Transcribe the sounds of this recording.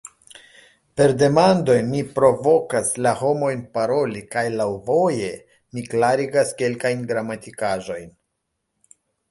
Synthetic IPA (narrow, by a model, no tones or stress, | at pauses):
pe̞ɾde̞mando̞jmipɾo̞vo̞kaslaho̞mo̞jnpaɾo̞likajlawvo̞je̞ | miklaɾiɡaske̞lkajnɡɾamatikaʒo̞jn